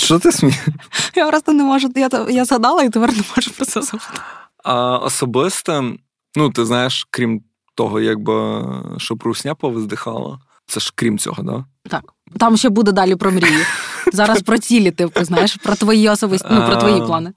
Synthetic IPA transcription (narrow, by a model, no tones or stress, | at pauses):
ʃt͡ʃɔt̪ɪsmʲijaʋɾɑzt̪ɐnɛmɔʒʊjat̪jazɦɐd̪ɑlˠɐit̪ɪʋɛɾnɛmɔʒʊpɾɔsʲɛzɐʋt̪ | ɐɔ̰sɔbɪst̪ɐ | nut̪ɪznɑjeʃkɾʲim | t̪ɔɦɔjaɡ̚bɪʃt͡ʃɔpɾuwsʲnʲapɔʋɪzd̪ɪxɑ̰lˠɐ̰ | t̪sɛʃkɾʲimt͡sʲɔ̰ɦɔd̪ɑ̰ | t̪ɑk | t̪ɑmʃt͡ʃɛbud̪ɛd̪ɑlʲipɾɔmɾʲijizɑɾɐsspɾɔt͡sʲilʲɪt̪ɪpɪznɑjeʃpɾɔt̪ʋɔjiɔsɔbɪsʲnupɾɔʋɔjiplˠɑnɪ